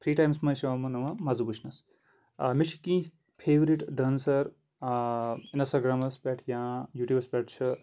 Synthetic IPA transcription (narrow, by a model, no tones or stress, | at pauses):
pʰɾiːʈaːjmsmɐ̃ʃɐʋɐmɐnɐʋɐ̃mɐzubut͡ʃʰnɐs | mit͡ʃʰkĩː | pʰeːʋɾiʈɖɐnsɐɾ | inɐsaɡɾamɐspʲɛʈʰjãːjuːʈjuːbɐspʲɛʈ̚ʰt͡ʃʰɨ